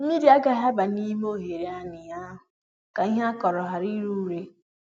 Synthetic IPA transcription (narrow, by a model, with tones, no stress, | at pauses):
i˦di˨˦a˦ɡa˨ɦa˦ba˨ni˦m˦o˦ɦe˨ɾe˨˦a˦nɪ˨ja˦ɦʊ˨ | ka˨i˦ɦa˦kɔ˨ɾɔ˨ɦa˨ɾi˦ɾu˦ɾe˦